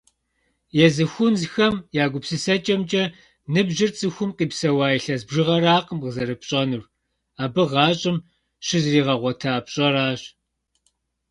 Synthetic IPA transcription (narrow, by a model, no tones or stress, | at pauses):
jɛzɨxʷʊnzxɐmjaːɡʷʊpsɨsɐt͡ʃʼɐmt͡ʃʼɐ | nɨbʑɪrt͡sʼɨxʷʊmqʼiːpsɐwaːjiɬɐzbʒɪʁɐɾaːqəmʁəzɐɾɨpɕʼɐnɨr | aːbɨʁɑːɕʼɪm | ɕɪzriːʁɐʁʷɔtʰaːpɕʼɐɾaːɕ